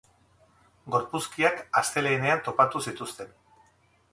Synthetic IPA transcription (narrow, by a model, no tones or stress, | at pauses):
ɡo̞ɾpuskiakast̪e̞leine̞ant̪o̞pat̪usit̪ust̪e̞n